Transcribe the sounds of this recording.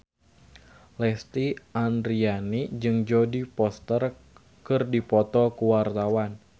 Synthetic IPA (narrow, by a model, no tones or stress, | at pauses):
lɛst̪iʔand̪ɾianid͡ʒɨŋd͡ʒɔdipɔst̪ər | kɨrdipɔt̪ɔkuwart̪awan